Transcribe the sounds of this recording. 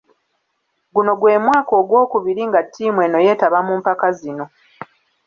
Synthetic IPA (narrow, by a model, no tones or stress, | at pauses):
ɡuno̞ɡwe̞ːmwaːko̞ːɡwo̞ːkuβiɾiŋɡatʰːiːmwe̞no̞je̞ːtaβamuːmpakazino̞